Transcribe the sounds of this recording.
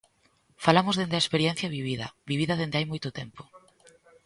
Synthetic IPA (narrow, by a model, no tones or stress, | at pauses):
falamʊzðend̪ɪɐespeɾjɛn̟θjɐβiβiðɐ̰βiβiðɐðend̪eajmojt̪ʊt̪empʊ̥